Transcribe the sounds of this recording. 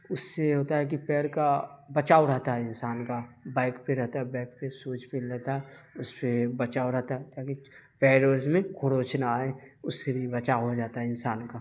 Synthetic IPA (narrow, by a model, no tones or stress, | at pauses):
ʊsːeɦoːt̪aɦɛk̬ipɛːɾkabɐt͡ʃaːoɾɐɦt̪aɦɛɪnsaːnkabaːɪkpeɾɛɦt̪aɦɛbaːɪk̚pesuːt͡ʃpɪlɾɛɦt̪aɦɛʊspebɐt͡ʃaːoɾɐɦt̪aɦɛt̪aːkipɛːɾoːɾzmẽkʰoɽoːt͡ʃnaːẽʊsːebʱibɐt͡ʃaɦod͡ʒaːt̪aɦɛɪnsaːnka